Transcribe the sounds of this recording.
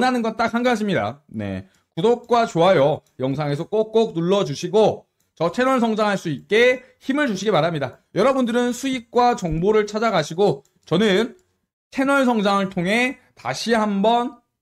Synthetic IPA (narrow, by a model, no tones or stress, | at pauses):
nanɯnɡʌnt͈ak̚haŋɡɯaɕ̬ʰimɲida̰ne̞̰ | kudok̚k͈wat͡ɕoɦajʌjʌŋsʰaŋe̞sʰʌk͈ok̚k͈ok̚nuɭːʌd͡ʑuɕʰiɡo | t͡ɕʌtʰe̞nʌɭsʰʌŋd͡ʑaŋɦaɭs͈uit̚k͈e̞ | çimɯɭt͡ɕuɕʰiɡimaɾɦamɲidajʌɾʌbundɯɾɯnsʰuik̚k͈wat͡ɕʌŋboɾɯɭt͡ɕʰad͡ʑaɡaɕʰiɡo | t͡ɕʌnɯn | tʰe̞nʌɭs̬ʰʌŋd͡ʑaŋɯɭtʰoŋɦe̞taɕʰiɦambʌn